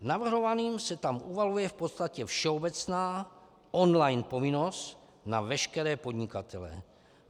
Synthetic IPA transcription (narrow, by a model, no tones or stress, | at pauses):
navr̩ɦo̞vaniːmsɛt̪amʔuvalujɛfpot̪st̪acɛfʃɛobɛt͡snaː | ʔonlajnpo̞vɪno̞st̪ | navɛʃkɛɾɛːpo̞d̪ɲɪkat̪ʰɛlɛ̰